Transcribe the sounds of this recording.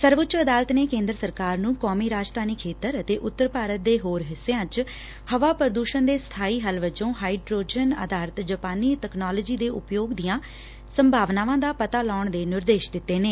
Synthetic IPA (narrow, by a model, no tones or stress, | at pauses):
səɾʋʊtːt͡ʃəd̪aːlət̪neːkẽːnd̪ɾəsəɾkaːɾnũːkɔːmiːɾaːd͡ʒt̪aːniːkʰeːt̪əɾət̪eːʔʊt̪ːəɾpaːɾət̪̚d̪eːɦoːɾɦɪsːeãːt͡ʃ | həʋaːpəɾd̪uːʃənd̪eːst̪ʰaːiːɦəlʋəd͡ʒõːɦaːiɖɾoːd͡ʒənə̰d̪aːɾət̪d͡ʒəpaːniːt̪ɛknaːləːd͡ʒiːd̪eːʔʊpjoːɡd̪ijãː | səmbʱaːʋnaːʋãːd̪aːpət̪aːlaːʊɳd̪eːnɪɾd̪eːʃd̪ɪt̪ːeːneː